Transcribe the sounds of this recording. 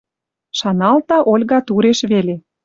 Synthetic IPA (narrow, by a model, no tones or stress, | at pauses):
ʃɑnɑlt̪ɑʔolʲɣɑt̪uɾeʃβele